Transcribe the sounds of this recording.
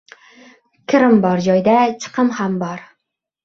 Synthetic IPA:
kʲʰɪɾɪmbɒɾd͡ʒɒjd̪at͡ʃʰɨ̥qʰɨmhambɒɾ

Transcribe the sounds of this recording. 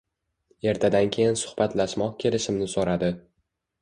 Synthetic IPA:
e̞ɾt̪ʰad̪ankʲʰe̞jɪnsʊ̥hbat̪ʰlaʃmɒqkʲʰe̞lɪʃɪmnɪsoɾad̪ɪ

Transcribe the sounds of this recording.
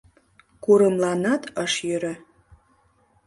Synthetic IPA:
kuɾəmlˠɑnɑt̪ɑʃjøɾɘ̆

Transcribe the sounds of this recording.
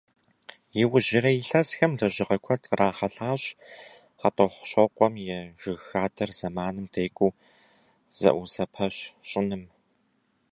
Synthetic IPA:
jɪwʊʑɪɾɐjɪɬɐsxɐmɮɐʑɪʁɐkʷʰɔtʰʼraːχɐɬaːɕ | atʼɔχʷɕɔqʷʼɔmjɛʒ̥ʷɪɣxaːdʰɐrz̥ɐmaːnɨmdʰeːkʷʼuː | z̥ɐ̰ʔʷuzɐpʰɐɕɕʼɪnɨm

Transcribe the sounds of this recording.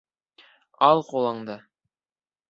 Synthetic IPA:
ɑlˠqulˠɑɴd̪ɤ

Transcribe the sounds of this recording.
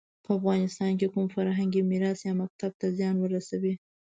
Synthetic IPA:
pəafɣɑnɪst̪ɑnk̬ekumfaɾɦaŋɡimiɾɑsjɑmak̚t̪ab̚t̪azjɑnwəɾasawi

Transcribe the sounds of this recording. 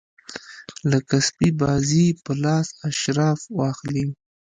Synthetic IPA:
lakaspibɑzipəlɑsaʃɾɑfwɑxli

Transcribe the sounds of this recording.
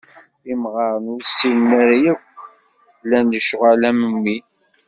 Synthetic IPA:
imʁɑɾˤənʊɾsilnæɾajækʷː | lːænːəʃʁalæməmːi

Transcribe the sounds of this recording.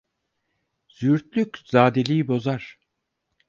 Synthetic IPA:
z̥yɾt̪̚lʲykʲz̥aːd̪elʲijibo̞zaɾ̥

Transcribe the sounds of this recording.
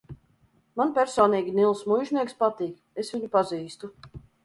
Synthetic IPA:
manpʲɛɾsɔːniːɡʲinilˠsmujʒniɛkspat̪iːk | esvʲiɲupaziːst̪u

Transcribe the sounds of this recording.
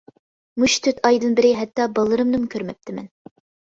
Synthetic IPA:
muʃt̪ʰøt̪ʰɑjd̪ɨnbɪɾɪɦɛt̪ːɑbɑlˠːɨɾɨmnɨmkʲʰøɾmɛp̚t̪ʰɪmɛ̰n

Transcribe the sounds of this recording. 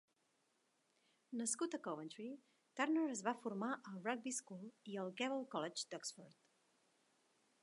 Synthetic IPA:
nəskut̪əkɔβənt̪ɾi | t̪arnəɾəzβafuɾmaʔəlˠrɔɡ̚biskulˠiəlˠkɛβəlˠkɔlɛd͡ʒd̪ɔksfɔɾt̪

